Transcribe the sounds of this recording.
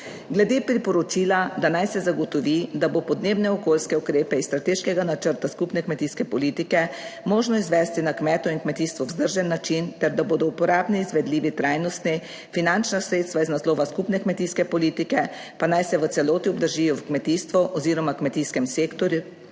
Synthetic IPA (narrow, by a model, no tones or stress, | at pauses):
ɡlɛd̪epɾipɔɾɔt͡ʃiːlad̪anajsɛzaɡɔt̪ɔʋid̪abopɔd̪neːbnɛɔkoːlskɛukɾeːpɛist̪ɾat̪eːʃkɛɡanat͡ʃəɾt̪askupnɛkmɛt̪iːskɛpɔliːt̪ikɛmoːʒnɔizʋɛːst̪inakmɛːt̪ɔiŋkmɛt̪iːst̪ʋɔwzd̪əɾʒɛnːat͡ʃint̪ɛɾd̪aboːd̪ɔupɔɾaːbniizʋɛd̪liːʋit̪ɾajnɔst̪nɛ | finant͡ʃnasɾeːt̪st̪ʋaiznasloːʋaskupnɛkmɛt̪iskɛpɔliːt̪ikɛ | panajsɛʋət̪sɛloːt̪iɔbd̪əɾʒijɔwkmɛt̪iːst̪ʋɔʔɔziːɾɔmakmɛt̪iːskɛmseːkt̪ɔɾju